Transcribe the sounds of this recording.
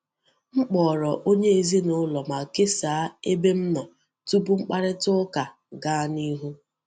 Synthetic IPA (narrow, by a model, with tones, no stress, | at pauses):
ŋ͡m̩˦k͡pɔː˨ɾɔ˨ʔo˦ɲe˦e˨zi˦nʊ˦lɔ˨ma˨ke˦saː˨a˦e˦be˦m̩˦nɔ˨ | tu˦bu˦ŋ͡m̩˦k͡pa˦ɾɪ˦tʊ˦ka˨ | ɡa˦ni˦ɦu˦